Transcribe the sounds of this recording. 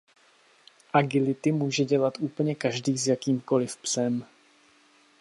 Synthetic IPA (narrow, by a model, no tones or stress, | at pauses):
ʔaɡɪlɪt̪ɪmuːʒɛɟɛlat̪ʔuːpl̩ɲɛkaʒdiːzjakiːmko̞lɪfpsɛm